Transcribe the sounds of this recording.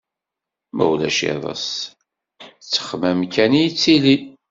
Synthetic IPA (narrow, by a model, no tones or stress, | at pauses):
mæ̰wlæʃḛðˤə̰s | t͡sːə̥χmæmkænijit͡sːili